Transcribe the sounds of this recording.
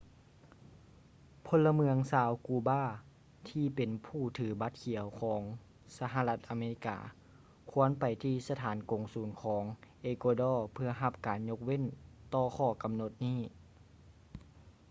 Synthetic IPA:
pʰo˧˥lːa˧mɯ˧əŋsaː˨˦wkuː˧baː˥˩ | t̪ʰiː˧˩pe˨˩npʰuː˧˩t̪ʰɯː˨˦ba˧˥t̪̚kʰi˨˩˦ə˦wkʰɔː˨˦ŋ | sa˧ɦa˧la˧t̪̚ʔa˨meː˧i˧˩ka̰ː˨˩ | kʰu˧˥˦ənpa˨˩jt̪ʰiː˧˨sa˧t̪ʰaː˨˦nko˨˩ŋsuː˨˦nkʰɔː˩˦ŋʔeː˧koː˧dɔː˧˩pʰɯ˧ɐɦa˧p̚kaː˨nɲo˧˥k̚we˥˨nt̪ɔː˧˩kʰɔː˧˩ka˨mno˧˦t̪̚niː˥˩

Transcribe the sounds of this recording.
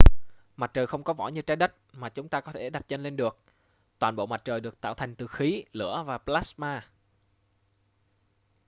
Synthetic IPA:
ma˨˩t̚t͡ɕəː˨˩xə˧wŋ͡mkɔ˨˦vɔ̰˧˩ɲɨ˧t͡ɕaː˨˦jɗə˦˥t̚maː˨˩t͡ɕʊ˨˦ŋ͡mt̪aː˧kɔ˨˦t̪ʰe˧˩ɗa˨˩t̚t͡ɕə˧nle˧nɗɨ˨˩ək̚ | t̪waː˨˩nɓo̰˧˨ma˨˩t̚t͡ɕəː˨˩jɗɨ˨˩ək̚t̪aː˧˨wt̪ʰa˨˩ŋt̪ɨ˨˩xi˨˦lɨ̰˧˥əvaː˨˩plaː˦˥smaː˧

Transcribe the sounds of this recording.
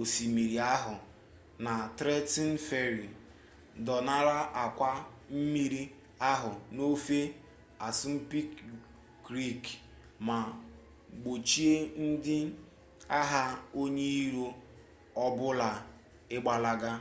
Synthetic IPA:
o˨si˨mi˨ɾi˨a˦ɦʊ˨ | na˨tɾe˦ti˦n̩˦fe˦ɾi˨ | dɔ˨na˦ɾa˦ʔa˨kʷa˦m̩˦mi˦ɾi˦ | a˦ɦʊ˨no˦fe˦ | a˨sʊ˦m̩˦pi˦kː | ɾi˦˨k | ma˨ | ɡ͡bo˨t͡ʃi˦e˦n̩˦dɪ˦ | a˦ɦa˦o˦ɲe˦i˦ɾo˦ | ɔ˦bʊ˦la˨ | ɪ˦ɡ͡ba˨la˦ɡa˦

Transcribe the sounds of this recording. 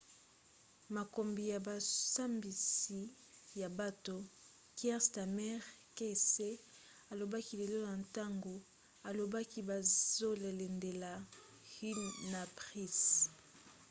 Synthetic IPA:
ma˨ko˨mbi˨ja˨ba˨sa˦mbi˨si˨ | ja˨ba˨to˨ | kɛ˦ʁsta˨mɛ˦ʁke˦se˦ | a˨lo˨ba˦ki˦le˨lo˦na˨nta˦ŋɡo˨ | a˨lo˨ba˦ki˦ba˨zo˦le˨le˨nde˨la˨ | hi˦na˨pʁi˦˨s

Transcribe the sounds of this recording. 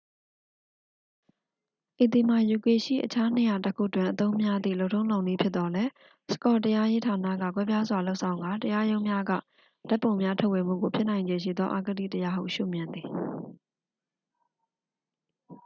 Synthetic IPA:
ʔe˨t̪i˨m̥a˨ju˨ke˨ʃḭ˦˨ʔət͡ɕʰa˦ne˨ja˨təkʰṵ˦˨ətwɪ̃˨ʔət̪õ˦ʊ̃mja˦d̪ðḭ˦˨lo˦ʊʔtʰːõ˦ʊ̃lã˨ʊ̃ni˦˨pʰjɪ˦t̪ːɔ˦lɛ˦ | sə̥kɔ˨təja˦je˦tʰa˨na̰˦˨ɡa̰˦˨k̬wɛ˦pja˦zwa˨lo˦ʊʔsʰã˨ʊ̃ŋɡa˨təja˦jõ˦ʊ̃mja˦ɡa̰˦˨ | d̥a˦pːõ˨ʊ̃mja˦tʰo˦ʔwe˨m̥ṵ˦˨ɡo˨pʰjɪ˦ʔn̥ã˨ɪ̃ɲd͡ʑẽ˨ʃ̬ḭ˦˨d̪ðɔ˦ʔa˦ɡədḭ˦˨təja˦ɦṵ˦˨ʃṵ˦˨mjɪ̃˨nd̪i˨

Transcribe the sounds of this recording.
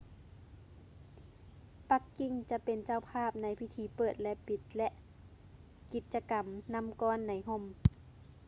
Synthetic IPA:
pa˧kːi˧ŋt͡ɕa˧ʔpe˨nt͡ɕa˧˨wpʰaː˥˩˨p̚na˧˥jpʰi˧t̪ʰiː˧˦pɤː˨˩t̪̚lɛ˧ʔpi˧t̪̚lɛ˧ʔ | ki˨˧˩t̪̚t͡ɕa˧ka˨mna˧˥˨mkɔː˧˥˨nːa˨˦jɦo˧˩˨m

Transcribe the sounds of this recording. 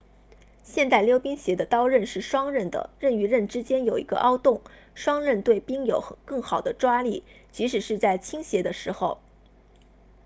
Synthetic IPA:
ɕjɛ˥˧nt̪a˥˩ɪljo˥ʊpi˥ŋɕjɛ˧˥d̪ə˧t̪ɑ˥ʊɻə˥˧nʂɻ̩˥˩ʂwɑ˥ŋɻə˥˩nd̪ə̰˩ɻə˥˩ny˧˥ɻə˥˩nʈ͡ʂɻ̩˥t͡ɕjɛ˥njo˨˩ʊḭ˧˥ɡə̰˧ʔɑ˥ʊt̪ʊ˥˩ŋ | ʂwɑ˥ŋɻə˥˧nt̪we˥˩ɪpi˥ŋjo˨˩ʊkɤ˥˩ŋxɑ˨˩ʊd̪ə˦ʈ͡ʂwa˥li˥˩t͡ɕi˧˥ʂɻ̩˨˩ʂɻ̩˥˧t͡sa˥˩ɪt͡ɕʰi˥ŋɕjɛ˧˥d̪ə˧ʂɻ̩˧˥xo˥˧ʊ

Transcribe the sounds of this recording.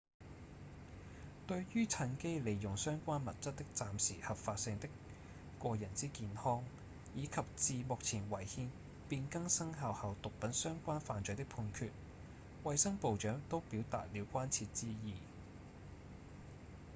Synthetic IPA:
t̪ɵ˧ɥjyː˥t͡sʰɐ˧nke˥jle˨˩jːʊ˨˩ŋsœː˥ŋkʷaː˥nmɐ˨˩t̚t͡sɐ˥t̚t̪ɪ˥k̚t͡saː˨msiː˨˩hɐ˨p̚faː˧t̚sɪ˧ŋt̪ɪ˥k | kːʷɔː˧jɐ˨˩nt͡siː˥kiː˧nhɔː˥ŋ | jiː˨˧kʰɐ˨p̚t͡siː˨mʊ˨k̚t͡sʰiː˨˩nwɐ˨˩jhiː˧n | piː˧nkɐ˥ŋsɐ˥ŋɦaː˨whɐ˨wt̪ʊ˨k̚pɐ˨˥nsœː˥ŋkʷaː˥nfaː˨nt͡sɵ˨˧jt̪ɪ˥k̚pʰuː˧nkʰyː˧t̚ | wɐ˨˧jsɐ˥ŋpo˨wt͡ʃœː˨˥ŋt̪o˥wpiː˨˥wt̪a̰ː˨t̚liː˨˥wkʷaː˥nt͡sʰiː˧t̚t͡siː˥jiː˨˧

